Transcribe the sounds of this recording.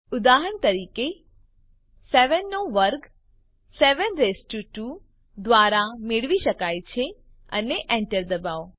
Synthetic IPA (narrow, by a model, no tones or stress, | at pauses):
ʊd̪aɦəɳt̪əɾiːke | seʋənːoʋəɾɡ | seʋənɾesʈjuʈu | d̪ʋaɾameɭʋiʃəkajt͡ʃʰe | ə̰neʔẽɳʈəɾd̪əbaʋ